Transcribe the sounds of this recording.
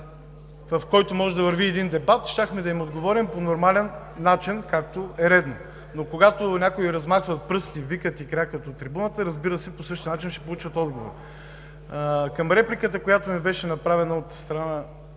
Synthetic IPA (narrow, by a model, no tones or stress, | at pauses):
vɐfkɔjt̪omɔʒɛd̪ɐvəɾviɛd̪ind̪ɛbat̪ʃt̪ʲaxmɛd̪ɐimod̪ɡovɔɾimponoɾmalɛnː | at͡ʃinkak̚t̪oɛɾɛd̪no | nokoɡat̪onʲakoiɾɐzmaxvɐt̪̚pɾɤst̪ivikət̪ikɾakət̪ot̪ɾibunət̪əɾɐzbiɾəsɛposɤʃt̪inat͡ʃinʃɛ̥polˠut͡ʃvət̪ɔd̪ɡovo̰ɾ | kɐmɾɛplʲikət̪əkojat̪omɛbɛʃɛnɐpɾavɛnɐot̪st̪ɾɐna